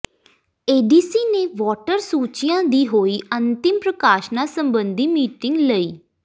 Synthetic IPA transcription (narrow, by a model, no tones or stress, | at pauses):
eːɖiːsiːneːʋɔːʈəɾsuːt͡ʃɪjãːd̪iːɦoːiːʔənt̪ɪmpɾəkaːʃnaːsəmbənd̪iːmiːʈɪŋɡləiː